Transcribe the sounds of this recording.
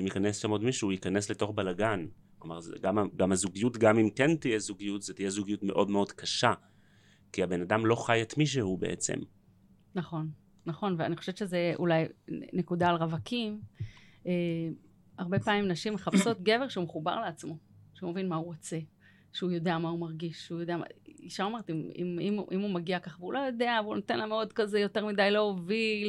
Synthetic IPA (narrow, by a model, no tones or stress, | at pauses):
imjikanesʃamo̞dmiʃuuikanesle̞to̞χbalaɡanklomaʁzɡamaɡamhazuɡijutɡamimkentijezuɡijutz̥etijezuɡijutme̞ʔo̞dmeo̞dkʰaʃa | kiabe̞nadamlo̞χajet̪miʃ̬ehubeʔḛt͡sḛm | naχo̞nː | aχo̞nveaniχoʃevett͡ʃezeʔṵlajne̞kudaːlʁavakʰim | e | aʁbe̞paːmimnaʃimːeχapso̞tɡe̞ve̞ʁʃeumeχuba̰ʁleat͡smo̞ʃeumevinmauʁot͡se̞ | ʃeujo̞de̞amaumaʁɡiʃujodeama̰iʃaomeet̪imḭmimʔimumaɡiakaχveulʔo̞jo̞de̞avunotenlameo̞dkaze̞jote̞ʁmidajloovil